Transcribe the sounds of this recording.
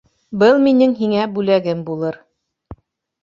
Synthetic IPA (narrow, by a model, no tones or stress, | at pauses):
bɤlˠminɘŋɦiŋæbʉlæɡɘmbulˠɤɾ